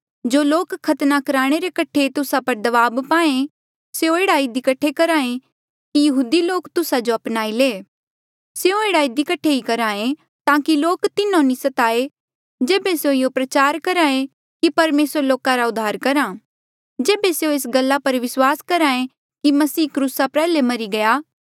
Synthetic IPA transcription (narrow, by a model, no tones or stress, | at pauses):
d͡ʒoːloːkkʰːɐt̪nakɐɾaːɽ̃eɾekɐʈʰet̪ʊsapɐɾd̪ɐʋaːbpaːẽ | seõeːɽaid̪ɪkɐʈʰːekɐɾaːẽ | kijɐɦuːd̪iloːkt̪ʊsad͡ʒoɐpnaːileː | seõeːɽaid̪ikɐʈʰːeikɐɾaːẽ | t̪ãːkiloːkt̪ɪnãnisɐt̪aːe | d͡ʒeːbeseõjopɾɐt͡ʃaːɾkɐɾaːẽ | kipɐɾmeːsəɾloːkaɾaʊd̪ʱːaːɾkɐɾaː | d͡ʒeːbeseõeːsɡɐlːapɐɾʋɪswaːskɐɾaːẽ | kimɐsiːkɾuːsapɛːlemɐɾiɡɐjaː